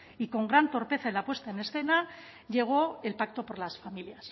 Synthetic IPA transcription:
iko̞ŋɡɾant̪o̞ɾpe̞θaelapwe̞st̪aene̞sθe̞na | ʝe̞ɣ̞o̞e̞lpak̚t̪o̞po̞ɾlasfamiljas

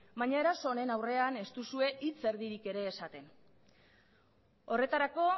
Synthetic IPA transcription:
baɲaeɾaso̞ne̞nawre̞ane̞st̪usue̞ʔit͡se̞ɾðiɾike̞ɾe̞ːsat̪e̞n | o̞re̞t̪aɾako̞

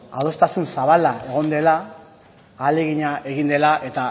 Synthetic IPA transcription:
a̰ð̞o̞st̪asunsaβalae̞ɣ̞o̞nd̪e̞laː | le̞ɣiɲaeɣind̪e̞laʔe̞t̪a

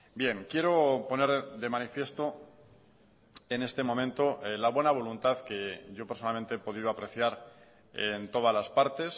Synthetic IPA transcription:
bje̞ŋkje̞ɾo̞po̞ne̞ɾðe̞manifje̞st̪o̞ | e̞ne̞st̪e̞momẽ̞nt̪o̞laβwe̞naβ̞o̞lunt̪aðke̞ʝo̞peɾsnalment̪eepo̞ðiðoapɾe̞θjaɾ | ent̪o̞ð̞azlaspaɾt̪e̞s

